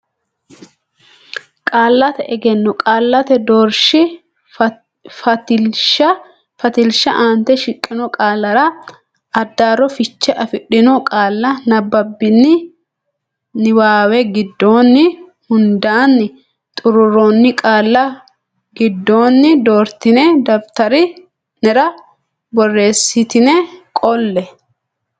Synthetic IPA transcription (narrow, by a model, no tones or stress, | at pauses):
kʼaːlːɐt̪ɛʔɛɡɛnːɔkʼaːlːɐt̪ɛd̪ɔɾʃɪ | ʃɐ | fɐt̪ɪlʃɐʔaːnt̪ɛʃɪkʼːɪnɔkʼaːlːɐɾɐ | ɐd̪ːaːɾɔfɪt͡ʃːɛʔɐfɪɗɪnɔkʼaːlːɐnɐbːɐbːɪnːɪ | nɪwaːwɛɡɪd̪ːoːnːɪ | hʊnd̪aːnːɪ | t̪ʼʊɾʊɾɔnːɪkʼaːlːɐ | ɡɪd̪ːoːnːɪd̪o̞ːɾt̪ɪnɛd̪ɐbt̪ɐɾɪ | nɛɾɐ | bɔrːe̞ːsːɪt̪ɪnɛkʼɔlːɛ